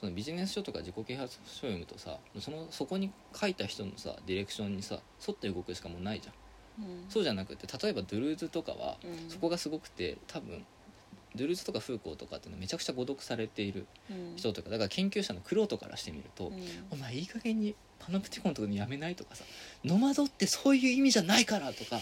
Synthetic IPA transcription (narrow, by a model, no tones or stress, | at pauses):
so̞no̞bʲiʑine̞sɨ̥ɕo̞t̪o̞ka̰ʑiko̞ke̞ːhat͡sɨ̥ɕoimɯ̟t̪o̞sa̰moso̞noso̞ko̞ɲ̟i | kʰait̪açi̥t̪o̞no̞̰sa̰d̪ʲiɾe̞kɯ̟̥ɕõ̞ɲ̟ːisa̰ | so̞t̪ːeɯ̟ɡo̞kɯ̟ɕi̥kamo̞naiʑã̰ | so̞ːʑanakɯ̟t̪ːe̞t̪at̪o̞e̞bad̪ɯ̟ɾɯ̟ːzɨt̪o̞ka̰βa̰so̞ko̞ɡasɨɡo̞kɯ̥t̪e̞̰t̪ʰabɯ̟̰̃ɴ | d̪ɯ̟ɾɯ̟ːzɨ̥t̪o̞kaɸɯ̟ːko̞ːt̪o̞ka̰t̪ːeiːnome̞t͡ɕakɯ̟̥t͡ɕaɡo̞d̪o̞kɯ̟̥saɾe̞t̪e̞iɾɯ̟ | çi̥t̪o̞t̪okad̪akaɾakʰẽ̞ŋkʲɨːɕano̞kɯ̟ɾo̞ːt̪o̞ka̰ɾʔa̰ɕi̥t̪e̞mʲḭɾɯ̟̰t̪o̞̰omaiːkaɡe̞ɲ̟i | pʰanopɯ̟̥t̪ʲi̥kõ̞t̪okɲojame̞nait̪o̞kasḁno̞mazo̞t̪ːe̞so̞ːjɯ̟ːimʲiʑanaikaɾat̪o̞ka